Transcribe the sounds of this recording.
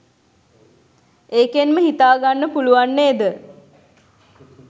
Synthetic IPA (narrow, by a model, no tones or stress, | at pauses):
eːkenməɦit̪aːɡanːəpuluʋanːeːd̪ə